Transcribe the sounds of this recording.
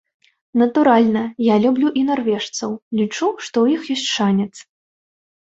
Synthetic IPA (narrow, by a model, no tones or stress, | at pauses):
nɐt̪uɾalʲnɐjalʲublʲuʔinarvʲɛʂt̪sɐwlʲit͡ʂuʂt̪ɔwjixjɔsʲt͡sʲʂanʲɛt̪s